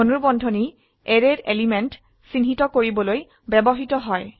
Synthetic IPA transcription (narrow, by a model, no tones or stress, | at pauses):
onuɹbɔndʱɔni | eɹeɹelimɛnt | sinɦitɔkoɹibɔloj | bɛbɔɦitɔɦɔj